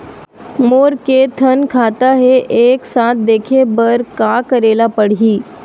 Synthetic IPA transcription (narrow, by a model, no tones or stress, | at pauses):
moːɾket̪ʰɐnkʰaːt̪aɦɛʔeːksaːt̪̚ʰd̪eːkʰebəɾkaːkɐɾeːlapəɽ̤iː